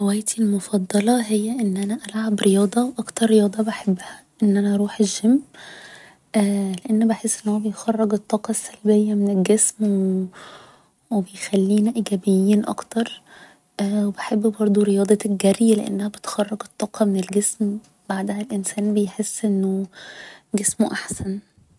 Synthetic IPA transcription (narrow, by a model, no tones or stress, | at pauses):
wæjːt̪ilmofɑd̪ˤːɑlɑɦejːæʔenːʔænæʔælʕabɾejɑːd̪ˤɑwʔɑkt̪ɑɾˤːejɑːd̪ˤɑbaħebːæhæ | ʔenːʔænæʔɑɾˤuːħeʒːemː | ʔleʔenːbeħesːʔenːhomæbejxɑrˤːɑɡet̪ˤːɑːqɑsːælbejːæmenelɡesme | webejxælːiːnæʔiɡæːbejːiːnʔɑ̰kt̪ɑɾˤ | ʔwebeħebːbɑɾˤd̪ˤuɾejɑːd̪ˤɑɡærjleʔḛnːæhæbet̪xɑrˤːɑɡet̪ˤːɑːqɑmenelɡesm | b̥aʕd̪æhælʔensæːnbejħesːʔenːo | ɡesmoʔaħsæn